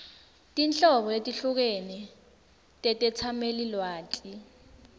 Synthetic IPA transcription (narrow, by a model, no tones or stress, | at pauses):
tʼint͡ɬʼɔɓɔetʼiɬuk̬enɛ | tʼɛtʼɛt͡sʰamelilwaːt͡ɬʼi